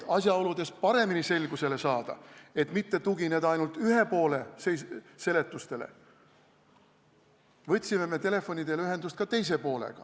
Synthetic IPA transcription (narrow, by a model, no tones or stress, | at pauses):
ɑs̬ʲjɑo̞lud̪e̞spɑɾe̞minise̞lʲɡ̥use̞le̞sɑːd̪̥ɑ̰e̞t̪mit̪ːe̞t̪uɡine̞d̪̥ɑjnult̪yɦe̞po̞ːle̞sejsse̞le̞t̪ˑːust̪e̞le̞̰ | vɤ̞t̪ʲːsime̞me̞t̪e̞le̞fːo̞nʲid̪elyɦe̞nd̪ust̪̚kɑt̪e̞js̬e̞po̞ːlḛɡ̥ɑ̰